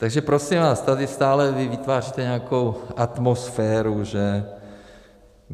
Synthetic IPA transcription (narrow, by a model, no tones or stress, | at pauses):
t̪aɡʒɛpɾosɪmvaːst̪adɪst̪aːlɛvɪvɪt̪vaːrit̪ɛɲɛako̞wʔat̪mosfɛːɾuʒɛ